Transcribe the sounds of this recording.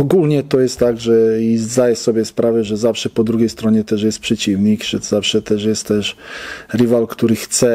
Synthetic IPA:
ɔɡulɲɛt̪ɔjɛst̪ːaɡʐɛizd̪ajɛsɔbʲjɛspɾʔavɛʐɛzafʂɛpɔd̪ɾuɡʲɛjst̪ɾɔɲɛt̪ɛʐjɛst̪̚pʂɛt͡ɕivɲikʐ̥ɛz̥afʂɛt̪ɛʐjɛst̪ːɛʂɾɘvalkt̪uɾɘxt̪sɛ

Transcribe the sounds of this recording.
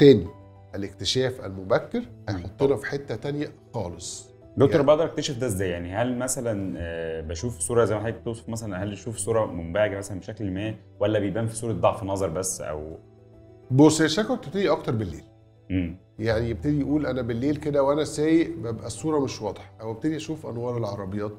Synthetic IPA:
t̪æːni | ʔælekt̪eʃæːfʔæ̰lmobækːeɾhɑjħot̪ˤːenɑfi̥ħet̪ːæt̪ænjæxɑːlesˤ | d̪okt̪oɾbæʔɑʔd̪ɑɾʔekt̪æʃæfd̪æezːæːjːaʕnihælmæsælænbæʃuːfsˤuːɾˤɑʔzæjmæħaek̚t̪osˤo̥fmæsælænhæljeʃuːfsˤuːɾˤɑmombæʕeɡæmæsælænbeʃæklmæː | wælːæbejebʔæːmfi̥sˤuːɾɑd̪ːɑʕfnːɑzˤɑɾˤbæsːʔæ̰w | bosˤæʃækæt̪eb̚t̪ed̪iʔɑkt̪ɑɾˤbelːḛːl | ʔem | jaʕnijeb̚t̪ed̪ijʔuːlʔænæbelːeːlked̪æwʔænæsæːjeʔbæbʔæsˤːuːɾˤɑmeʃwɑd̪ˤħɑ̥ʔæwebt̪ed̪iʔæʃuːfʔɑ̰nwɑːɾˤelʕɑɾˤɑbejɑːt̪̚

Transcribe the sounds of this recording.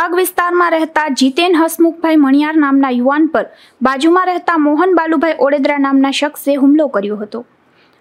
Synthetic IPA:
aɡʋɪst̪aɾmãɾɛɦt̪ad͡ʒit̪enɦəsmuk̚bʱajməɳ̃ijaɾnamnajuʋanpəɾ | bad͡ʒumãɾɛɦt̪amoɦənbalubʱajʔoɽed̪ɾanamnaʃəkseɦumlokəɾjoɦət̪o

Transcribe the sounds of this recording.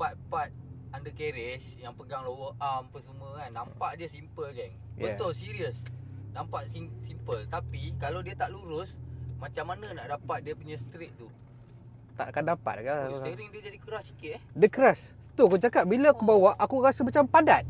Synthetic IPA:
bat̪̚pat̪̚ | andəkeɾɪsjaŋpəɡaŋlowəʔampəsəməkanːampaʔdiəsimpəld͡ʒɛŋjbəat̪ʊlsiɾiəsnampaʔsisimpəlt̪apikalawdiət̪aʔluɾʊsmat͡ʃamːanənaʔdapat̪̚diəpuɲãsət̪ɾeʔ̪̚t̪u | t̪a̰ʔakandapa̰t̪̚akaseɾiŋdiəd͡ʒadikəɾasːi̥kɪt̪̚ɛhdəkəɾas | t̪ukud͡ʒakaʔ̚bilakubawaʔakuɾasəmat͡ʃampadat̪̚

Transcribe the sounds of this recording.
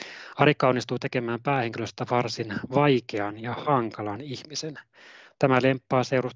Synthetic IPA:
ɑɾikːɑonːist̪uːt̪e̞ke̞mæːmpæːheŋkiløst̪æʋɑrsinʋɑjkeɑnjɑhɑŋkɑlɑnihmisen | t̪æmæle̞mpːɑːseuɾus

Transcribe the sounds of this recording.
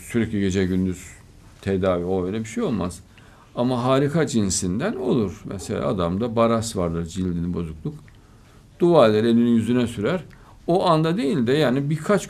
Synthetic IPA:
syɾɛclʲiɡɟe̞d͡ʒɛɟynd̪yz̥ | t̪ʰed̪aːviojølʲɛbiʃejo̞lˠmaz̥ | amaɦaːɾikʰad͡ʒinsind̪æno̞̰lˠuɾ̥mɛ̰selʲa̰ːa̰d̪amd̪abaɾasvaɾd̪ɯɾd͡ʒilʲd̪inʲibo̞zuklˠuk | d̪̥uvalʲˠɛɾe̞lʲinijyzynɛsyɾæɾ | oʔand̪ad̪e̞jilʲd̪ɛjaːnibiɾkʰat͡ʃ

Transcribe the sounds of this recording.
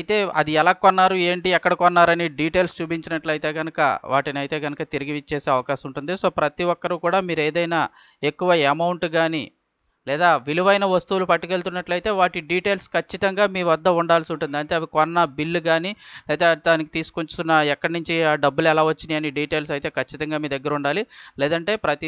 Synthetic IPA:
ɐjit̪e̞ːɐ̰d̪iɛlaːkonːaːɾue̞ːɳʈiɛkːɐɽɐkonːaːɾɐniɖiːʈe̞ːlst͡ʃuːbiɲt͡ʃinɐʈlɐjt̪e̞ːɡɐnɐkɐ̰ʋa̰ːʈiniɐjt̪e̞ːɡɐnɐkɐt̪iɾiɡiʋit͡ʃːeːse̞ːɐʋɐkaːʃsɐmuɳʈund̪iso̞ːpɾɐt̪iʋɔkːɐɾukuːɽaːmiːɾeːd̪ɐjnaː | e̞kːuʋɐɐmɐwɳʈɡaːni | lɛːd̪aːʋiluʋɐjnɐʋɐst̪uʋulupɐʈːikeːlt̪unːɐʈlɐjt̪e̞ːʋaːʈiɖiːʈe̞ːlskɐt͡ʃːit̪ɐŋɡaːmiːʋɐd̪ːɐuɳɖaːlsiuɳʈund̪iɐɳʈe̞ɐʋikɔnːɐbilːuɡaːnilɛːt̪eːd̪aːniki̥t̪iːsu̥kot͡ʃu̥t̪unːɐɛkːɐɽɐnuɲt͡ʃiaːɖɐbːulɛlaːʋɐt͡ʃːind̪iɐniɖiːʈe̞ːls̬ɐjit̪e̞ːkɐt͡ʃːit̪ɐŋɡaːmiːɾd̪ɛɡːɐɾuɳɖaːlilɛːd̪ɐɳʈe̞ːpɾɐt̪i

